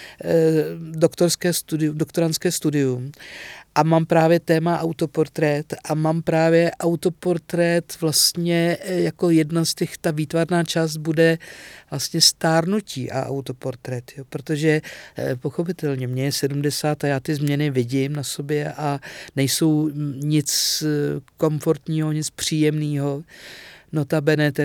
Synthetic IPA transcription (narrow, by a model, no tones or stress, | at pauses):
dokt̪oɾskɛːst̪udɪumdo̞kt̪o̞ɾanskɛːst̪udɪjumʔamaːmpɾaːvjɛt̪ɛːmaʔawt̪o̞po̞ɾt̪ɾɛt̪ʔamaːmpɾaːvjɛʔawt̪o̞po̞ɾt̪ɾɛt̪vlast̪ɲɛjako̞jɛdnast̪ɛxt̪aviːt̪vaɾnaːt͡ʃaːst̪̚budɛvlast̪ɲɛst̪aːɾnuciːʔa̰ʔa̰wt̪o̞po̞ɾt̪ɾɛt̪joːpɾo̞t̪o̞ʒɛpo̞xo̞p̬ɪt̪ɛlɲɛmɲɛjɛsɛdumdɛsaːt̪ajaːt̪ɪzmɲɛnɪvɪɟɪmnaso̞bjɛʔanɛjso̞wɲɪt͡s | ko̞mfo̞ɾt̪ɲiːɦo̞ɲɪt͡spr̝̥iːjɛmniːɦo̞ | not̪abɛnɛt̪ɛ